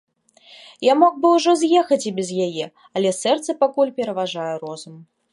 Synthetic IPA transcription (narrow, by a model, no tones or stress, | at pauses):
jamɔɡbɨwʐɔzjɛxɐt͡sʲibʲɛzjajɛ | ɐlʲɛsɛrt̪sɐpakulʲpʲɛɾɐvaʐajɛɾɔzum